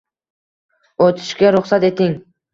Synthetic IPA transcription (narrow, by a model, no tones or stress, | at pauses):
ot̪ʰɪ̥ʃkʲaɾʊχsat̪e̞t̪ʰɪŋ